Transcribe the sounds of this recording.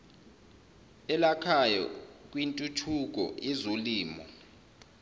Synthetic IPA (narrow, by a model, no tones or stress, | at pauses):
ɛlakʰajɔ̰k̬ʼwintʼutʰuk̬ɔ̰jɛzoliːmɔ̰